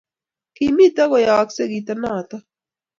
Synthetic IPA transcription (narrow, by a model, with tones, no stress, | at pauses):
kimi˦t̪a˦ɣo˨jaː˨kse˦ɡi˨t̪anaː˦˨t̪a˦